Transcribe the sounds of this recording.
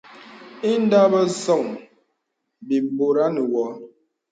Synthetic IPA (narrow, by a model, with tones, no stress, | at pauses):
i˦n˦da˦bə˦sɔ˦˨ŋ | bi˨bo˨ɾa˦nə˨wɔ˨˦